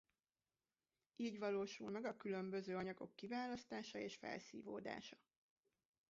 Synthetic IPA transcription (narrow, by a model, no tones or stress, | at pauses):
iːɟʋɒloːʃulmɛɡɒkylømbø̞zøːɒɲɒɡo̞̰kːivaːlɒst̪aːʃɒeːʃfɛ̰lsḭːvoːd̪a̰ːʃɒ̥